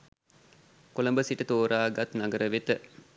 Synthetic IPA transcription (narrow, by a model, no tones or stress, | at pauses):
kolɐmbəsiʈət̪oːɾaːɡɐt̪naɡəɾʔəʋet̪ə